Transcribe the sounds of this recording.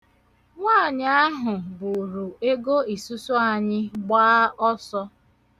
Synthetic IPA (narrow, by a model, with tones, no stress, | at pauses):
ŋʷaː˦˨ɲa˦a˦ɦʊ˨bʊ˨ɾu˨e˦ɡo˦i˨su˦so˦a˨ɲɪ˦ɡ͡baː˦ɔ˦sɔ˦